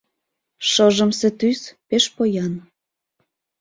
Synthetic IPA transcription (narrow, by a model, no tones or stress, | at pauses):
ʃɤʒə̆mset̪yspeʃpojɑn